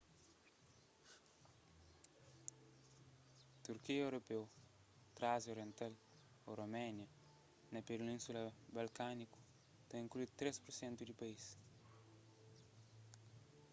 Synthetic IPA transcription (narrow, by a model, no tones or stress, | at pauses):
t̪uɾkiewɾopew | t̪ɾazoɾjẽnt̪al | oɾomɛnjɐ | nɐpeɾnĩnsulɐbalkaniku̥ | t̪ẽĩŋkluud̪ut̪ːɾespuɾsɛ̃nt̪ud̪ipais